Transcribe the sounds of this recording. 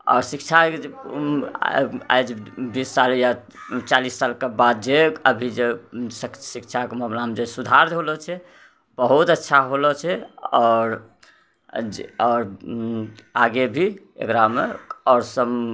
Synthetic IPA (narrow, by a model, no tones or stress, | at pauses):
ɔ̰ːɾsikt͡ʃʰaḛ | a̰jd͡ʒbisːalja | t͡ʃalisːalkebad̪̚d͡ʒeəbʱid͡ʒessikt͡ʃʰakemənamd͡ʒesud̪ʱaɾd̪ɦolɔt͡ʃʰɛ | bəɦut̪ətːʃʰaɦolɔt͡ʃʰɛɔːɾ | ɔːɾ | aɡebʱi | ḛkɾameɔːɾsəm